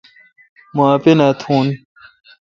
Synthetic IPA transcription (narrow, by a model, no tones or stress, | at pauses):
moapenat̪ʰuːn